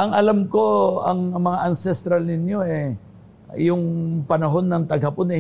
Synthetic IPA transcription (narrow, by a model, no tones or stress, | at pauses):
ʔɐŋɐlamko̞ɐŋmɐŋaʔɐnsɛst̪ɾalnɪnjo̞ɛ | jʊŋpɐnɐɦo̞nːɐŋt̪ɐɡhɐponɛ